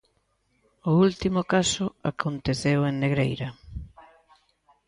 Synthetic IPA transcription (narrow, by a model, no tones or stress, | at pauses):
ʊult̪imʊkasʊakʰont̪eθeweŋneɣɾejɾɐ